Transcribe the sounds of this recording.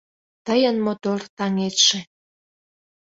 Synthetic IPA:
t̪əjənmot̪ort̪ɑŋet̪ʃe

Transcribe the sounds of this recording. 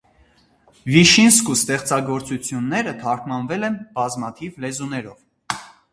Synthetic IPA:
viʃinskust̪ɛχt͡sɑɡɔɾt͡sut͡sʰjunːɛɾət̪ʰɑɾkʰmɑnvɛlɛnbɑzmɑt̪ʰivlɛzunɛɾɔv

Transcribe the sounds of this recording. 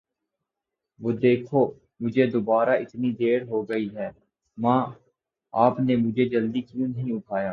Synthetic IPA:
ʋoːd̪eːkʰoː | mʊd͡ʒʱed̪obaːɾaʔɪt̪nid̪eːɾɦoːɡɐiɦɛː | mãː | aːpnemʊd͡ʒʱed͡ʒəld̪ikijũnɐɦĩʊʈʰaːjaː

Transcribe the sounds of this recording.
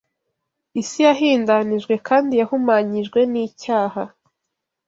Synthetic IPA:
isijaɦiːndaniʒɡwe̞kʰaːndijahumaːɲiʒɡwe̞niːcaːha

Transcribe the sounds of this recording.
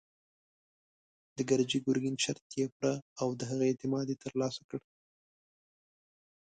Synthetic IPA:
d̪̥əɡaɾd͡ʒiɡʊɾɡinʃaɾt̪jepɽaawd̪əɦaɣaet̪ɪmɑd̪jet̪əɾlɑsakəɽ

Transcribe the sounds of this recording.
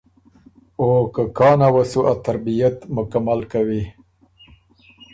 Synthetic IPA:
okakɑnawasuʔat̪aɾbijat̪mʊkamalkawi

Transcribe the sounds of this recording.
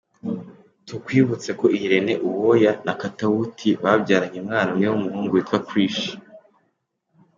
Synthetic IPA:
tukwiːβut͡se̞ko̞ʔiɾe̞ne̞ʔuwojanakatautʰiβabɟaːɾaɲemŋaːnamŋewumuhuːŋɡuwetwakwiːʃi̥

